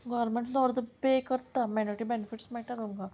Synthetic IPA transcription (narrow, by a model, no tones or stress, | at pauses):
ɡɔːɾmẽɳʈd̪ɔːɾd̪əpeːkəɾt̪amanɔːɾɪʈibɛnɪfʰɪʈsmɛ̃ʈəɾõŋɡaː